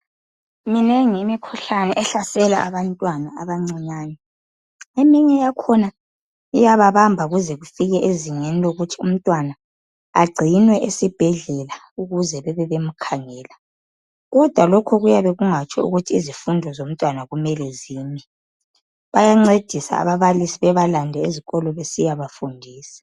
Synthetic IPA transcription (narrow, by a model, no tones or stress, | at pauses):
minɛŋimikʰuɬanɛʔɛɬasɛlaʔaβantʼwanaaβaŋ͡ǀɛɲaːnɛ | emiɲɛjakʰɔna | ijaβaβambʱaɣuzɛɣufiɣɛʔeziŋeniloɣutʰiṵm̩tʼwana | a̰ɡ͡ǀʱinwɛʔesib̥ʱɛɮɛla | uɣuzɛβɛβɛβem̩kʰaŋɛːla | ɣɔd̥ʱwalɔkʰɔɣujaβɛɣuŋat͡ʃʰʼɔ̰ṵɣutʰiizifundʱɔzom̩tʼwanaɣumɛlɛziːmɛ | βajaŋ͡ǀed̥ʱisa̰a̰βaβalisiβɛβalandʱɛeziɣɔlɔβesijaβafundʱiːsḁ